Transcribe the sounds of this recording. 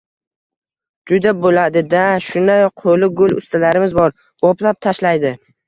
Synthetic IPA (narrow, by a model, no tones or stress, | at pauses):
d͡ʒʊd̪abolad̪ɪd̪aʃʊnd̪aj̚qʰolɪɡʊlʊ̰st̪ʰalaɾɪmɪzbɒɾ | oplap̚t̪ʰaʃlajd̪ɪ